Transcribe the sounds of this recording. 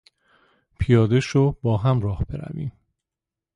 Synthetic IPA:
pʰijɒːd̪eʃobɒːɦæmɾɒːhb̥e̞ɾæ̰vḭːm

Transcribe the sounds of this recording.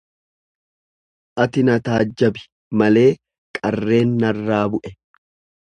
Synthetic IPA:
ʔɐt̪ɪnɐt̪aːd͡ʒːɐbɪ̥ | mɐle̞ː | kʼɐrːe̞ːnːɐrːaːbʊʔɛ

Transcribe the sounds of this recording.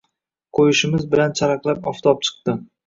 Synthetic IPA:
qʰojɪʃɪmɪzbɪlant͡ʃʰaɾɑqlˠapɒft̪ʰɒp̚t͡ʃʰɨ̥q̚t̪ɪ

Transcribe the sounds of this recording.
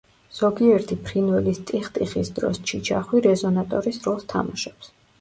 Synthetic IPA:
z̥ɔɡiɛɾt̪ʰipʰɾinwɛlist̪ʼiχt̪ʼiχisd̪ɾɔ̰st͡ʃʰit͡ʃʰaχwiɾɛzɔnat̪ʼɔɾisɾɔlˠst̪ʰa̰maʃɔ̥ps

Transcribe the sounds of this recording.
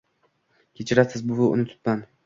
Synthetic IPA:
kʲʰet͡ʃʰɪɾasɪzbʊvaʊ̰nɪt̪ʰʊ̥t̪man

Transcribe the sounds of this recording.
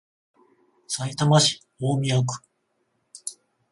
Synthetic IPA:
sait̪amaɕi̥ | oːmʲiakɯ̥

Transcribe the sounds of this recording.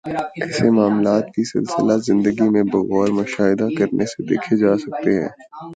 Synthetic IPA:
ɛɛsemaːmlaːt̪̚kisɪ̰lsəlazɪ̃nd̪əɡimẽbɐɣɔːɾmʊʃaːɪd̪akɐɾnesed̪ḛːkʰed͡ʒaːsɐk̚t̪eɦɛ̰̃ː

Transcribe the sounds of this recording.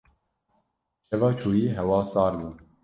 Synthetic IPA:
t͡ʃʰɛvɑːt͡ʃʰuːjiːɦɛwɑːsɑːɾlun

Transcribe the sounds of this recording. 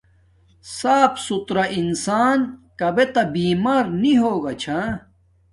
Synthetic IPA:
saːpsut̪ɾaʔinsaːnkɐbet̪ɐbiːmaːɾniɦoːɡat͡ɕʰã

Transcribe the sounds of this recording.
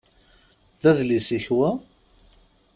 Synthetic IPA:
ðæðlisiçwæ

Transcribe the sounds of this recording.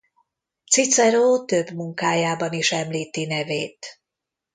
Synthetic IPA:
t̪sit̪sɛɾoːt̪ø̞bmuŋkaːjaːbɒniʃɛmliːt̪inɛveːt̪

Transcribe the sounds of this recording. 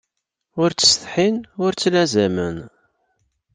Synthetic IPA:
ʊɾt͡sːə̥sθħinʊɾt͡sːlæzæmən

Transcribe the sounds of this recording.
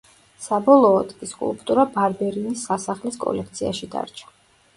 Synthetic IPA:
sabɔlˠɔːd̪ɡʼiskʼṵlˠpʼt̪ʼuɾabaɾbɛɾinisːasaχliskʼɔ̰lɛkʰt̪sʰiaʃid̪a̰ɾt͡ʃʰḁ

